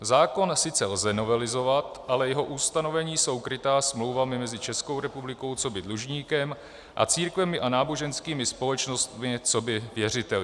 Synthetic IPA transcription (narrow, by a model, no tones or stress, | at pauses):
zaːko̞nsɪt͡sɛlzɛno̞vɛlɪzo̞vat̪ʔalɛjɛɦo̞ʔust̪ano̞vɛɲiːso̞wkɾɪt̪aːsmlo̞wvamɪmɛzɪt͡ʃɛsko̞wɾɛpublɪko̞wt͡so̞bɪdluʒɲiːkɛm | ʔa̰t͡siːɾkvɛmɪʔanaːboʒɛnskiːmɪspo̞lɛt͡ʃno̞st̪mɪt͡so̞bɪvjɛr̝ɪt̪ɛl